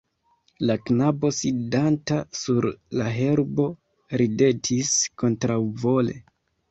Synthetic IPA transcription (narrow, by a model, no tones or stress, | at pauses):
laknabo̞sidantasuɾlaɦe̞ɾbo̞ | ɾide̞tʰisko̞ntɾawvo̞le̞̰